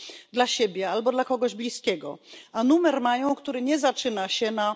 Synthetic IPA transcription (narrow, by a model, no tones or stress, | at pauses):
d̪laɕebʲjɛalbɔd̪lakɔɡɔʑblʲiskʲɛɡɔ̰anumɛɾmajɔ̃w̃kt̪uɾɘɲɛzat͡ʂɘnaɕɛna